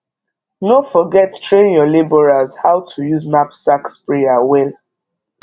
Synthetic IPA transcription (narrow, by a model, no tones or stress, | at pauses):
nofɔɡɛttɹẽnjɔlebɔɹazhawtʰujuznapsakspɹeawɛl